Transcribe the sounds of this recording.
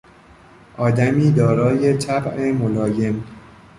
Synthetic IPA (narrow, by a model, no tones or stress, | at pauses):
ʔɒːd̪æmiːd̪ɒːɾɒːje̞t͡ʃ̪ʰæbʔemolɒːje̞m